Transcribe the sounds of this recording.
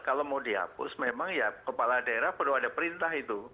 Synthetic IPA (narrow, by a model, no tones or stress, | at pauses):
kalomodia̰pʊ̰smemaŋjakəpaladaeɾahpəduadapəɾint̪aɦit̪u